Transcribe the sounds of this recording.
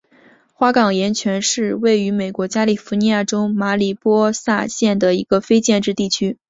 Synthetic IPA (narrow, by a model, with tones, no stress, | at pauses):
xwa˥kɑ˨˩ŋjɛ˧˥nt͡ɕʰɥɛ˧˥nʂɻ̩˥˧we˥˩ɪy˧˥me˨˩ɪkwɔ˧˥t͡ɕja˥li˨˩fu˧˥ni˧˥ja˥˩ʈ͡ʂo˥ʊma˧˥li˨˩pwɔ˥sa˥˧ɕjɛ˥˩nd̪ə˩i˧˥ɡ̥ə˧fe˥ɪt͡ɕjɛ˥˧nʈ͡ʂɻ̩˥˧t̪i˥˩t͡ɕʰy˥